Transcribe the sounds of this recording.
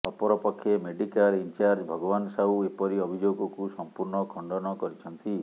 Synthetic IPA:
ɔpɔɾɔpɔkʰːjemeɖikalint͡ʃaɾd͡ʒbʱɔɡɔbansawepɔɾiɔbʱid͡ʒoɡɔkusɔmpuɾɳɔkʰɔɳɖɔnɔkɔɾit͡ʃʰɔnt̪i

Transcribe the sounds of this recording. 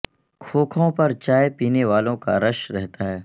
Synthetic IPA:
kʰoːkʰõpɐɾt͡ʃaːjpiːneʋaːlõka̰ɾɐʃɾɛɦt̪aɦɛː

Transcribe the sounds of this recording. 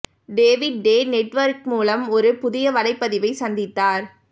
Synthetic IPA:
ɖeːʋɪɖ̚ːeːnɛʈːʋɐɾk̚muːlɐmɔɾɯpʊðɪjɐʋɐlɐɪpːɐðɪʋɐɪsɐnd̪ɪt̪ːaːɾ

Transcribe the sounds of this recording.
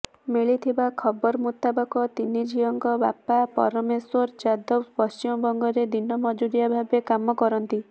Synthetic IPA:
miɭit̪ʰibakʰɔbɔɾɔmut̪abɔkɔt̪inːid͡ʒiɔŋkɔba̰papɔ̰ɾɔmeswɔɾd͡ʒad̪ɔbpɔst͡ʃimɔbɔŋɡɔɾed̪inːɔmɔd͡ʒuɾijabʱabekamɔkɔɾɔnt̪i

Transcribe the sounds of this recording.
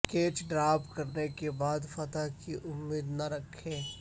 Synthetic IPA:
keːt͡ʃɖɾaːpkɐɾnekebaːd̪fɐt̪akiʔʊmːiːd̪nɐɾɐkʰːẽː

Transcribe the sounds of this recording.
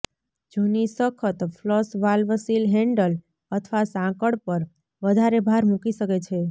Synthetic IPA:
d͡ʒunisəkʰət̪fʰləsʋalʋəsilɦɛ̃ɳɖəl | ət̪ʰʋasãkəɽpəɾ | ʋəd̪ʱaɾebʱaɾmukiʃəket͡ʃʰe

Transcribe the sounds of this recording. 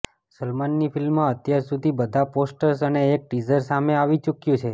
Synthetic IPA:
səlmanːifilmːãət̪jaɾsud̪ʱibəd̪ʱaposʈəɾsəneːk̚ʈid͡ʒəɾsameaʋit͡ʃukjũt͡ʃʰe

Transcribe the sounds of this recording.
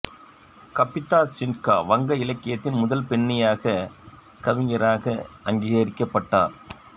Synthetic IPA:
kɐpːɪt̪ːaːsɪnka̰ːʋɐŋɡɐɪlɐkːɪjɐt̪ːɪnmʊðɐlpɛɳːɪjaːɣɐ | kɐʋɪŋɡɐɾaːɣɐʔɐŋɡiːɣaːɾɪkːɐpːɐʈːa̰ːɾ

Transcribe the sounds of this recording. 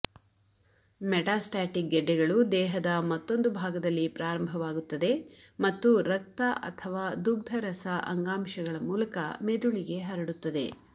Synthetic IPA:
mɛʈaːsʈaːʈik̚ɡɛɖːɛɡɐɭud̪ɛːɦɐd̪ɐmɐt̪ːo̞nd̪ubʱaːɡɐd̪ɐlːipɾaːɾɐmbʱɐʋaːɡut̪ːɐd̪e̞ | mɐt̪ːuɾɐk̚t̪ɐʔɐ̰t̪ʰɐʋaːd̪uɡd̪ʱɐɾɐsɐʔɐ̰ŋɡaːmʃɐɡɐɭɐmuːlɐkɐ̰med̪uɭiɡe̞ɦɐɾɐɽut̪ːɐd̪e̞̰

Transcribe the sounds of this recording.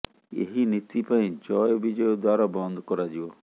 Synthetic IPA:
ḛɦinit̪ipãĩt͡ʃɔjbid͡ʒɔjɔd̪waɾɔbɔnd̪ʱkɔɾad͡ʒiɔ

